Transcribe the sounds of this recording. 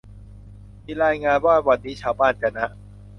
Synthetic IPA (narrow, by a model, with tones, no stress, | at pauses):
miː˧˩ɾaː˧jŋaː˧nwaː˥˩wa˧t̪̚niː˦˥t͡ɕʰaː˧˩wbaː˥˩˨nt͡ɕa˧na˦˥ʔ